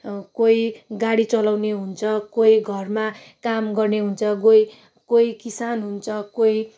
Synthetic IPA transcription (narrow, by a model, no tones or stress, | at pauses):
kojɡaɽit͡sʌlawneɦunt͡sʰʌkojɡʱʌrma | kamɡʌrneɦunt͡sʰʌɡoj | koikisanɦunt͡sʰʌkoj